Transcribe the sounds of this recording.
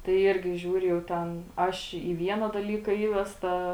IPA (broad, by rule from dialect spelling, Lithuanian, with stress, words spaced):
tɐɪ ˈɪrʲɡʲɪ ˈʒʲuːrʲʊ jɛʊ ˈtʲɛn ˈɐʃ iː ˈʋʲiɛnɐ dɐˈlʲiːkɐ ˈiːʋʲɛstɐ